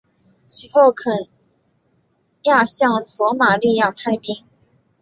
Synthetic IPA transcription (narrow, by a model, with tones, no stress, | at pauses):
t͡ɕʰi˨˩xo˥˩ʊkʰə˨˩n | ja˥˧ɕjɑ˥˩ŋswɔ˧˥ma˨˩li˥˧ja˥˩pʰa˥˧ɪpi˥ŋ